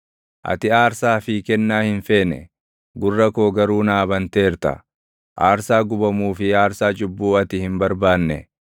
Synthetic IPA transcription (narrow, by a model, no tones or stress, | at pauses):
ʔɐ̰t̪ɪaːɾsaːfiːkɛnːaːhɪnfe̞ːnɛ̰ | ɡʊrːɐkoːɡɐɾuːnaːbɐnt̪e̞ːɾt̪ɐ̰ | ʔaːɾsaːɡʊbɐmuːfɪaːɾsaːt͡ʃʼʊbːuːɐt̪ɪhɪmbɐɾbaːnːɛ